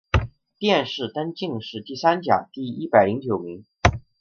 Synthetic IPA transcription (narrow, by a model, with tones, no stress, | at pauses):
t̪jɛ˥˧nʂɻ̩˥˩t̪a˥nt͡ɕi˥˧ŋʂɻ̩˥˧t̪i˥˩sa˥nt͡ɕja̰˨˩t̪i˥˩i˥pa˨˩ɪli˧˥ŋt͡ɕjo˨˩ʊmi˧˥ŋ